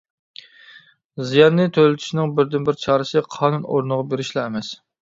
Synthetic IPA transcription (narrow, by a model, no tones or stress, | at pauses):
zijɑnːɨt̪ʰølɪt̪ʰy̥ʃnɪŋbɪɾd̪ɪnbɪɾt͡ʃʰɑːɾɨsɨqʰɑːnuno̰ɾnəʁɑbeɾɪʃlˠɑɛmɛs